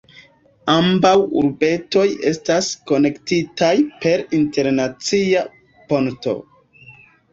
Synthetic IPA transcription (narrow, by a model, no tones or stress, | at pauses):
ambawṵɾbe̞to̞je̞stasko̞ne̞ktitajpe̞ɾinte̞ɾnat͡sia | po̞nto̞̰